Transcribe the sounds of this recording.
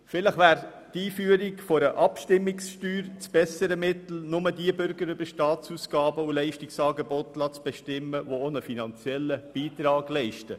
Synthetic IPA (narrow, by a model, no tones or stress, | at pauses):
fɪləχʋæːɾ | tiːfyəɾɪkfoɾəʔɑpʃtɪmːɪksʃtyːɾt͡sb̥ɛsəɾəmɪt̪l̩nʊmədiəbʏɾɡəɾʏb̥əɾʃtɑːt͡suːsɡ̥ɑːbəulɛɪʃtɪksɑːɡebɔtlɑːt͡sb̥ɛʃtɪmːəvoonəfinɑnt͡sjɛlːəb̥iːt̪ɾɑːɡ̥lɛɪʃtə